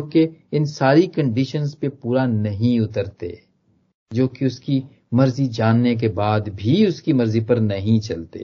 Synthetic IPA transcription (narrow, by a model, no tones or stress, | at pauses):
d͡ʒoːkeɪnsaːɾikɐ̃ɳɖiʃənzpepuːɾanɐɦĩʊt̪əɾt̪ḛː | d͡ʒoːkeʊski | mɐɾzid͡ʒaːnːek̬ebaːd̪bʱiʊskimɐɾzipɐɾnɐɦĩt͡ʃɐlt̪ḛː